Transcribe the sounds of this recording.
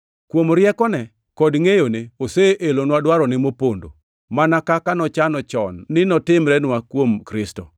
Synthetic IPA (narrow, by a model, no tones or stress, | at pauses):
kwomɾjɛkɔnɛ | kɔdŋejoneoseʔelonwadwaɾɔnɪmopondo̰ | manakakanɔt͡ʃanɔt͡ʃɔnːɪnɔtɪmɾɛnwakwomkɾɪstɔ